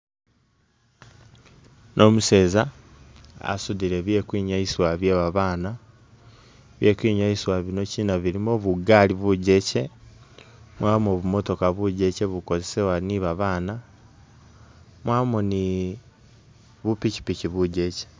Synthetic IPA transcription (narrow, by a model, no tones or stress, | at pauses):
nʔo̞muse̞ːza | a̰suðiɾe̞βje̞ːkwiːɲaisiwaβjeːβaβaːna | βje̞kiːɲaiswaβino̞cinaβiɾimoβuɡaliβuɟe̞ce̞ | mwaːmoːβumo̞to̞kaβuɟe̞ce̞βuko̞ze̞sewaniβaβaːna | mwaːmoni | βupici̥piciβuɟe̞ce̥